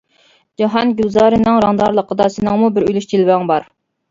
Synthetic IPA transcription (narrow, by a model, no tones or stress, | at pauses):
d͡ʒɑɦɑnɡʲyzɑːɾɨnɨŋɾɑŋd̪ɑɾlˠəqʰəd̪ɑsɪnɨŋmubɪɾylyʃt͡ʃ̪ʰilbæŋbɑɾ